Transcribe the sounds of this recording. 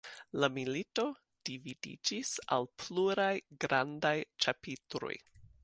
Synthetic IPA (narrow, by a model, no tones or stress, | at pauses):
lamilito̞ | d̥ividḭd͡ʒisa̰lpʰluɾajɡɾandajt͡ʃapitɾo̰j